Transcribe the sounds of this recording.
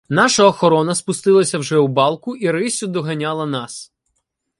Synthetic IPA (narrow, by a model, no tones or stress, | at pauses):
n̪ɑʃɐɔxɔɾɔnɐspʊst̪ɪlˠɐsʲɐwʒɛubɑlˠkʊiɾɪsʲʊd̪ɔɦɐnʲɑlˠɐnɑs